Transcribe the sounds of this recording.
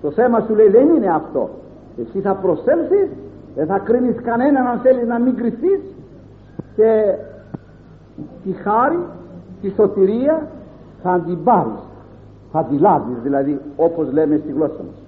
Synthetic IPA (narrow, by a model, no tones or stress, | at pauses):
t̪o̞θe̞mɐsuleiðe̞nine̞ɐft̪o̞̰ | e̞siθɐpɾo̞se̞lsisðenθɐkɾiniskɐne̞nɐnɐnθe̞liznɐmiŋɡɾiθis | ce̞ | t̪ixɐɾit̪iso̞t̪iɾiɐ | θɐːnd̪imbɐɾḭs | θɐðilɐzizðilɐðio̞po̞zle̞me̞st̪iɣlo̞sɐmɐ̰s